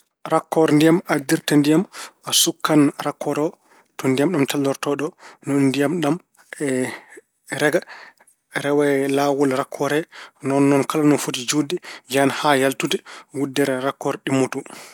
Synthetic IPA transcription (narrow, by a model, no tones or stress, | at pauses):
ɾakːɔɾndijamadiɾtandijamasukːanɾakːɔɾɔ | tɔndijamɗumtaldɔɾtɔɗɔnɔnndijamɗam | ɛ | ɾɛɡa | ɾɛwɛlawɔlɾakʰːɔɾɛnɔnːɔnkalanɔnfutid͡ʒudɛd͡ʒanhajaltutɛɡudːɛɾɛɾakːɔɾɗimːotu